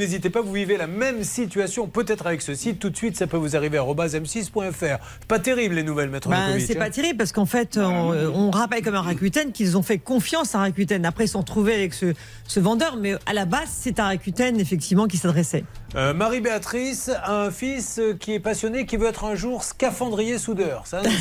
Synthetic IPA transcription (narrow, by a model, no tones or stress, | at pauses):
nezit̪epavuvivelamɛmsit̪ɥasjɔ̃pøt̪ɛt̪χavɛksəsit̪ːut̪sɥit̪sapøvuzaʁiveaʁɔbazɛmsispwɛ̃ɛfɛʁ | ɛpat̪eʁiblːenuvɛlmɛt̪χəasɛpat̪eʁiblpasə̥kɑ̃fɛt̪øɔ̃ʁapɛlkɔmɛ̃ʁakɥyt̪ɛnkilzɔ̃fɛkɔ̃fjɑ̃saʁakɥit̪ɛnapχɛilsɔ̃ʁət̪χuveavɛksə | səvɑ̃d̪œʁmɛa̰labazsɛt̪ɛ̃ʁakʲɥyt̪ɛnefɛk̚t̪ivmɑ̃k̬ʲisad̪ʁɛsɛømaʁibeat̪χisaɛ̃fiskʲiɛpasjɔnekʲivøɛt̪χɛ̃ʒuːʁskafɑ̃d̪ʁijesud̪œːʁsa